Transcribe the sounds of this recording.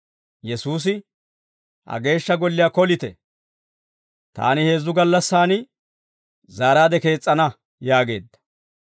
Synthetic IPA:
jɛsuːs̬ɪ | hɐ̰ɡe̞ːʃːɐɡɔlːɪjaːkɔlɪt̪ɛ̰ | t̪a̰ːnɪhe̞ːzːʊɡɐlːɐsːaːnɪ | zaːɾaːd̪ɛke̞ːt͡sʼːɐnɐ | jaːɡe̞ːd̪ːɐ̥

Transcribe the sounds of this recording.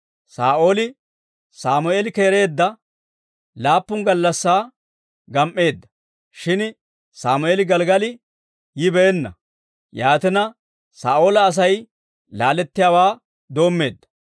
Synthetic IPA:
saːʔoːlɪ | saːmʊeːlɪkeːɾe̞ːd̪ːɐ | laːpːʊnɡɐlːɐsːaː | ɡɐmʔːe̞ːd̪ːɐ̥ | ʃɪn | saːmʊeːlɪɡɐlɡɐlɪ | jɪbɛːnːɐ̰ | jaːt̪ɪnɐ | saːʔoːlɐːs̬ɐj | laːlɛt̪ːɪjaːwaː | d̪o̞ːmːe̞ːd̪ːɐ̥

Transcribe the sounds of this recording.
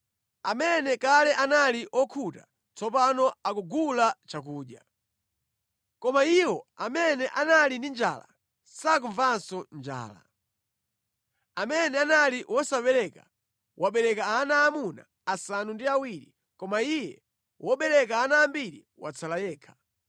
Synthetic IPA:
amɛnɛkalɛʔanaliʔɔkʰuta̰ | t͡sɔpanɔakuɡulat͡ʃak̬uːɗja̰ | kɔmaiwɔamɛnɛʔanalindind͡ʒa̰ːla̰ | sak̬uɱvansɔnd͡ʒa̰ːla̰ | amɛnɛanaliwʔɔsapɛɾɛka̰ | wʔaɓɛɾɛkaːnaːmuna̰ːsanundiawiɾi | kɔmaijɛ | wʔɔɓɛɾɛk̬aːnaːmbiɾḭ | wa̰t͡sʰalajɛːkʰḁ

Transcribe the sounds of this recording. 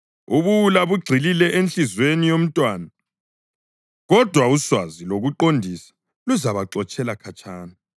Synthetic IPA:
uβuulaβuɡ͡ǀʱililɛʔent͡ɬizwenijom̩tʼwaːna | ɣɔd̥ʱwauswaziloɣuǃondʱisḁ | luzaβaǃɔt͡ʃʼɛlakʰat͡ʃʰʼaːna

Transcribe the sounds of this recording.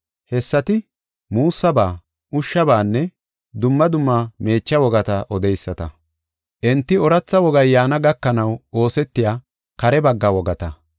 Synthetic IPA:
hɛsːɐt̪ɪ | muːsːɐbaː | ʔʊʃːɐbaːnːɛ | d̪ʊmːɐd̪ʊmːame̞ːt͡ʃːɐwɔɡɐt̪ɐʔɔd̪ɛjsːɐt̪ɐ | ʔɛnt̪ːɪɔɾɐt͡sːɐwɔɡɐjːaːnɐɡɐkːɐnɐwo̞ːsɛt̪ːɪjaː | kɐɾɛbɐɡːɐwɔɡɐt̪ɐ

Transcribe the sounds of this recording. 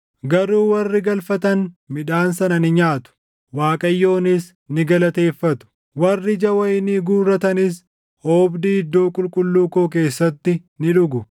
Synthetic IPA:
ɡɐɾuːwɐrːɪɡɐlfɐt̪ɐnmɪᶑaːnsɐnɐnɪɲaːt̪ʊ̥ | waːkʼɐjːo̞ːnɪs | nɪɡɐlɐt̪e̞ːfːɐt̪ʊ̥ | wɐrːɪd͡ʒɐwɐjɪniɡuːrːɐt̪ɐnɪs | oːbd̪iːɪd̪ːo̞ːkʼʊlkʼʊlːuːkoːk̬e̞ːsːɐt̪ːɪ | nɪᶑʊɡʊ

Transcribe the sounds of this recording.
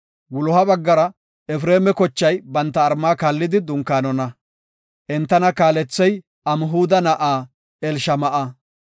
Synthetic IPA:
wʊlɔhɐbɐɡːɐɾɐ | ɛfɾeːmɛkɔt͡ʃːɐjbɐnt̪ːɐːɾmaːkaːlːɪd̪ɪd̪ʊŋkːaːnɔnɐ | ʔɛnt̪ːɐnɐkaːlɛt͡sːɛj | ɐmɦuːd̪ɐnɐʔaː | ɛlʃɐmɐʔɐ

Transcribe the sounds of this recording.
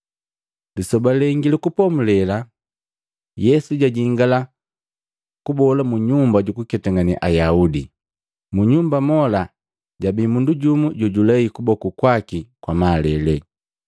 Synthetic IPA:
lisɔbalɛŋɡilɛkupɔmulɛla | jɛsuɟaɟiŋɡala | kubɔlamuɲumbaɟukukɛtaŋanḭʔajaudi | muɲumbamɔla | ɟabimunduɟumuɟɔɟulaikubɔkukwakikwamaːlɛlɛ

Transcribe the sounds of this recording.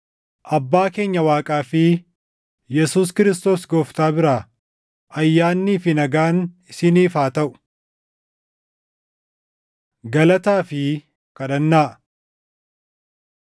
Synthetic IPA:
ʔɐbːaːke̞ːɲːɐwaːkʼaːfɪ | jɛsuːs̬kɪɾɪst̪o̞ːsɡɔːft̪aːbɪɾaː | ʔɐjːaːnːiːfɪnɐɡaːnɪsɪniːfaːt̪ɐʔʊ̥ | ɡɐlɐt̪aːfɪ | kɐᶑɐnːaːʔ

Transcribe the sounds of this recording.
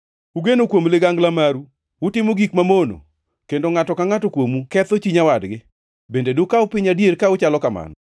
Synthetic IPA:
uɡenokwomlɪɡaŋɡlamaɾu | wʊtɪmoɡikmamono̰ | kendoŋatɔkaŋatokwomukɛt̪ot͡ʃiɲawadɡɪ | bendedʊkaʊpɪɲadjeɾkaʊt͡ʃalɔkama̰nɔ

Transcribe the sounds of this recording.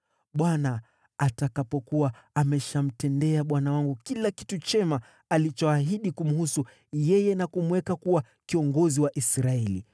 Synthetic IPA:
ɓwana | atakapɔkuwaamɛʃam̩tɛndɛaɓwanawaŋɡukilaki̥tut͡ʃɛma | alit͡ʃɔaɦiɗikum̩husu | jɛjɛnakumuwɛkakuwa | kiɔŋɡɔziwaʔisɾaɛlḭ

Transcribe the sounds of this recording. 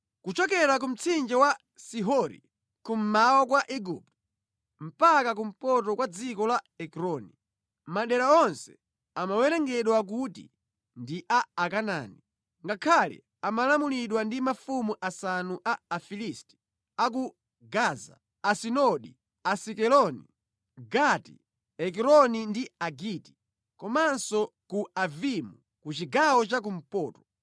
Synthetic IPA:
kut͡ʃɔkɛɾak̬um̩t͡sʰind͡ʒɛwa | siɦɔɾḭ | kum̩mawakwaʔiɡup̚tɔ̥ | m̩pakak̬um̩pɔtɔkwad͡zikɔla | ɛkɾɔni | maɗɛɾaɔnsɛ̥ | amawɛɾɛŋɡɛɗwak̬utḭ | ndiʔaːkana̰ːni | ŋɡakʰalḭ | amalamuliɗwandimafumuʔasanuʔaːfilisti̥ | ak̬u | ɡaːza̰ | asinɔɗi | asikɛlɔni | ɡatḭ | ɛk̬ɛɾɔnindiaɡiti̥ | kɔmansɔkuavimu | kut͡ʃiɡawɔt͡ʃak̬um̩pɔːtɔ̥

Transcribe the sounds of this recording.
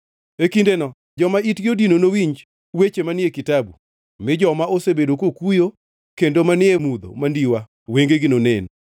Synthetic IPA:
ekindenɔ | d͡ʒɔmaitɡɪodinonowiɲd͡ʒ | wet͡ʃemanɪekitabṵ | mɪd͡ʒɔmaosebedokokujo | kendomanɪemud̪o̰mandiwa | weŋɡeɡɪnonen

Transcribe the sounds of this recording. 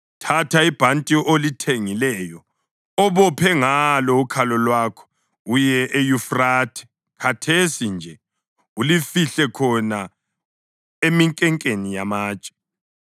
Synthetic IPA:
tʰatʰaib̥ʱantʼiolitʰeŋilɛːjɔ | ɔβɔpʰɛŋalɔukʰalɔlwaːkʰɔ̥ | ujɛʔejufraːtʰɛ̥ | kʰatʰesind͡ʒʱɛ | ulifiɬɛkʰɔna | emiŋkʼɛŋkʼenijamaːt͡ʃʼɛ̥

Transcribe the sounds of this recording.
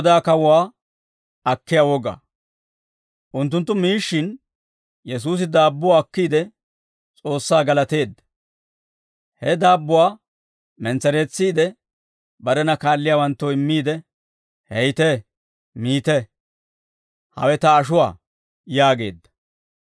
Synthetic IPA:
d̪aːkɐwʊwaː | ɐkːɪjawɔɡa̰ː | ʔʊnt̪̬ːʊnt̪ːʊmiːʃːɪn | jɛs̬uːs̬ɪd̪aːbːʊwaːkːiːd̪ɛ | t͡sʼo̞ːsːaːɡɐlɐt̪e̞ːd̪ːɐ̥ | hɛd̪aːbːʊwaː | mɛnt͡sɛɾe̞ːt͡sːiːd̪ɛ | bɐɾɛnɐkaːlːɪjaːwɐnt̪ːɔɪmːiːd̪ɛ | hɛjt̪ɛ | miːt̪ɛ | hɐ̰wɛt̪ɐːʃ̬ʊwa̰ː | jaːɡe̞̰ːd̪ːɐ̥

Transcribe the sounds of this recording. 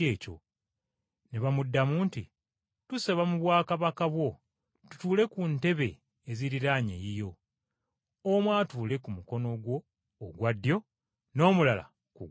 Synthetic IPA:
eːco̰ | neβamudːamuːntḭ | tusaβamuβwaːkaβakaβwo̞ | tu̥tuːle̞kunte̞βe̞ː | ziɾiɾaɲḛjijo̞ | omwaːtuːle̞kumuko̞no̞ɡwo̞ː | ɡwadːjo̞ | no̞ːmulala̰ | ku

